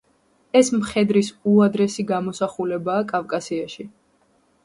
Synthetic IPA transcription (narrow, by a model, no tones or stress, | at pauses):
ɛsmχɛd̪ɾisuad̪ɾɛsiɡamɔsaχulɛbaːkʼavkʼasiaʃi